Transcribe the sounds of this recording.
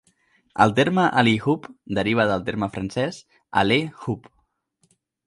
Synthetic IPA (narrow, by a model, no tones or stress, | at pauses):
ə̰lˠt̪eɾməʔalixupd̪əɾiβ̞əðəlˠt̪eɾməfɾənsɛs | a̰lexup